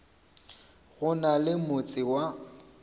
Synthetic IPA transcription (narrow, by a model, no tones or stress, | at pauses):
ɣʊnalɪmʊt͡sʼɪwa